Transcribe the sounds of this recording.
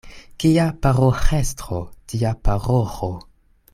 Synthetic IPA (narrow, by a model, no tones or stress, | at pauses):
kiapaɾoxestɾo̰tiapaɾoxo